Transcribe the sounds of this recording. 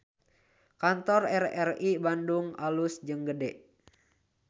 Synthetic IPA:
kant̪ɔrɛrɛribanduŋalusd͡ʒɨŋɡədɛʔ

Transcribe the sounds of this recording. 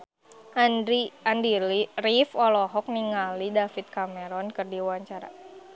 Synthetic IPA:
andirifɔlɔɦɔk̚niŋalidafit̪̚kamɛɾɔnkɨrdiwaɲt͡ʃaɾa̰

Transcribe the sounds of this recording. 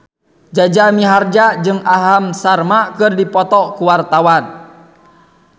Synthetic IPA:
d͡ʒad͡ʒamiɦard͡ʒad͡ʒɨŋaɦamsarmakɨrdipɔt̪ɔkuwart̪awan

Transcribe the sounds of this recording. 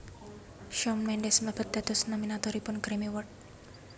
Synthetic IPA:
ʃɔmnɛnɖɛsmləb̥ət̪̚d̪̥a̤t̪ɔsnɔminat̪ɔɾipʊnkɾimiwʊrʈ̪̚

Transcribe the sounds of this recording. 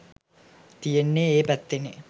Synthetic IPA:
t̪ijenːeeːpæt̪ːene

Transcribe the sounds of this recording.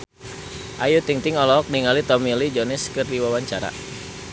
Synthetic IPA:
ʔajut̪iŋt̪iŋɔlɔk̚niŋalit̪ɔmilid͡ʒɔnɛskɨrdiwawaɲt͡ʃaɾa̰

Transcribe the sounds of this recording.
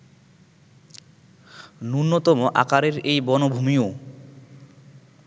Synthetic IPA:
nunːot̪ɔmoʔa̰kaɾeɾejbɔnobʱumio

